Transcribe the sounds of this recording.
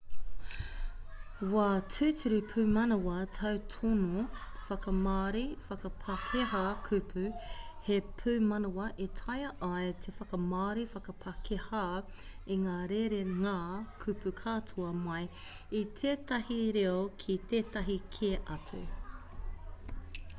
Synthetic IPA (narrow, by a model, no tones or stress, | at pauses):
watʰʉːtʰʉɾipʰʉːmɐnowɐtʰɐwtʰonofɐkɐmaːɾifɐkɐpʰɐkʰeɦakʰʉpʰʉhepʰʉmɐnowɐʔetʰɐjɐʔajtʰefɐkɐmaːɾifɐkɐpʰɐkʰehaːiŋaːɾeɾeŋaːkʰʉpʉkʰaːtʰuɐmɐj | it̪ʰeːtɐhiɾeokʰit̪eːtɐɦikʰeʔɐtʰʉ̰